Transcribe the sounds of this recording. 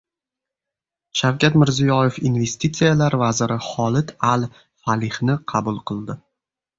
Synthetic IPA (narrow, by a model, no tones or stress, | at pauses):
ʃawkʲat̪mɪɾzijɒjefinve̞st̪it̪sijalaɾvazɪɾɪχɒlˠɪt̪ʰal | falɪhnɪqʰɑbʊlˠqʰɨlˠd̪ɪ